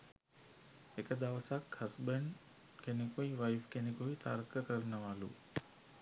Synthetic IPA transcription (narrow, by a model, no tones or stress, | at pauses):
ɦekd̪aːʋsakhəsbəɳɖ | kʰenikoːiʋaːɪfkenikoit̪aːɾkəkəɾnəʋaːlṵː